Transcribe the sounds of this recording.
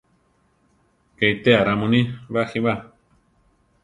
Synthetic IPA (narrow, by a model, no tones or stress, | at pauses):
keit̪eaɾamũnĩβaxiβa